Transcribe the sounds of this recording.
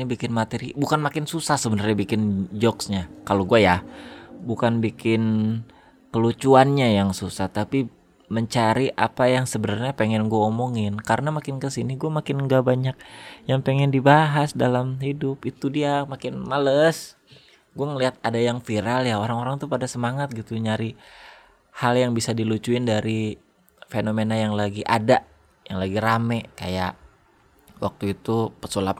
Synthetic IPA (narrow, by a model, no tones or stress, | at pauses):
nibikɪnmat̪eɾibukanmakɪnsusahsəbənərɲabikɪnd͡ʒɔksɲakaloɡuaja | bukanbikɪn | kəlut͡ʃuanɲajaŋsusaht̪api | məɲt͡ʃaɾiʔapajaŋsəbənərɲapeŋɛnɡuaomoŋɪnkaɾənamakɪnkəsiniɡuamakɪnŋɡabaɲak̚jaŋpeŋɛndibaɦasdalamhidʊpit̪udiamakɪnmaləs | ɡuaŋəliɦat̪̚adajaŋfiɾaljaoɾaŋoɾaŋt̪upadasəmaŋat̪̚ɡit̪uɲaɾi | haljaŋbisadilut͡ʃuɪndaɾi | fenomenajaŋlaɡiʔa̰daʔ | jaŋlaɡiɾamɛka̰ja̰ʔ | wʔa̰k̚t̪uit̪upəsolap̪̚